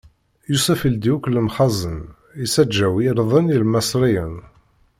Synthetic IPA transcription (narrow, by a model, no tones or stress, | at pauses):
jusæfild̪iukləmχɑzˤən | isæd͡ʒːæwiɾðˤənilmæsɾijən